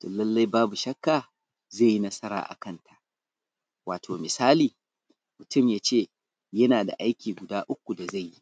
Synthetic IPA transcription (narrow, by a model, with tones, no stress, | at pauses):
toː˨lɐ˦lːa˦jbaː˦bu˨ʃɐ˦kːaː˨ | zeː˦˨ji˦nɐ˦sɐ˦ɾa̰ː˨ʔa̰˨kɐ˦˨ntʰa˨ʔ | waː˨tʰoː˨mɪ˨saː˦liː˨ | mʊ˨tʊ˦˨mjaː˦t͡ʃeː˦˨ | jɐ˦naː˨da̰˨ʔa˦jkʲiː˨ɡʷʊ˨daː˦ʔʊ˦k̚ʷu˨da˨za˦˨jːi˦